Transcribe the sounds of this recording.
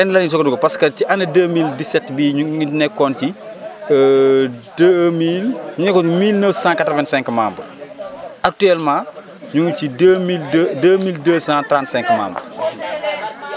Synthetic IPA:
ɛnlɐnɲis̬ɔkduɡɐpɐskɐciʔɐnɐdəːmildisɛtbiːɲunɛkːɔːnci | dəmilɲunɛkːɔnmilnəfsãːkatɾɔvɛnsɛ̃ŋkmaːmbɐ̰ | ɐk̚tuɛlmãː | ɲuŋcidəmildəːmiːldəːsãːtɾãntsɛ̃ŋkma̰ːmbɐ̰

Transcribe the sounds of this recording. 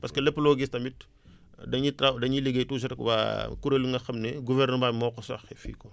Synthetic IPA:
pɐskɐlɛpːlɔːɡistɐmit | dɐɲitadɐɲiliɡejtuːs̬ɐtkba̰kuɾɐluŋɡɐxɐmnɛɡuvɛrnəbamɔkːɔsɐ̰xɛfḭːkɔ

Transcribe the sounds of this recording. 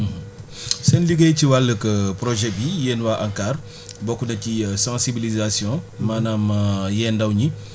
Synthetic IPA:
sɛnliɡɐjciwalːəkɐpɾɔʒɛbijɛːnwaːʔaŋkaːr | bɔkːunɐcisãːsibilizasjɔ̃maːnamɐjɛːndɐwɲi

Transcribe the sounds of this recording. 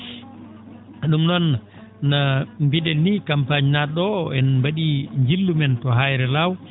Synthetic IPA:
ɗumnɔnː | ambiɗɛnːikampaɲnaɗɔɛnmbaɗiɲd͡ʒilːumɛntɔɦajɾɛlaw

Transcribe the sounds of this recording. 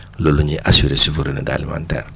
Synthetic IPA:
loluɲiʔasiɾesivuɾinida̰limã̰ntɛ̰ːɾ

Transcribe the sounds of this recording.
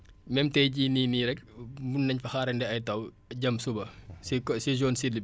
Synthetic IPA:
mɛmtɛjɟiːniːniɾɛk̚bunːɐɲfɐxaːɾɐndɛɐjtɐw | ɟɐmsubɐsisid͡ʒoːnsid

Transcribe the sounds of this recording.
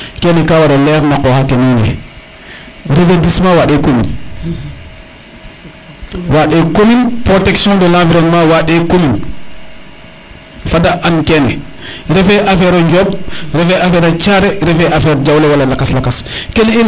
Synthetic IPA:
kɛnɛkawaɾɔlɛːɾnakɔhakenɛnɛ̰ | ɾefedismawaɗɛkomḭn | waɗɛkominpɾotɛksjɔ̃ndəlãfiɾɔnmawaɗɛkomin | fadaʔankɛnɛɾɛfɛʔafɛɾɔɲd͡ʒɔbɾɛfɛʔafɛɾat͡ʃaɾɛɾɛfɛʔafɛɾd͡ʒawlɛwalalakaslakaskeli

